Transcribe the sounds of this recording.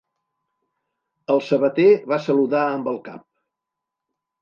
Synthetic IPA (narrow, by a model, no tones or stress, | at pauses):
əlˠsəβət̪eβasəluðaəmbəlˠka̰p̚